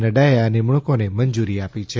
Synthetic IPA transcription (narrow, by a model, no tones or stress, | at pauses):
nəɖajaəneməɭ̃ukoneməɲd͡ʒuɾiapit͡ʃʰe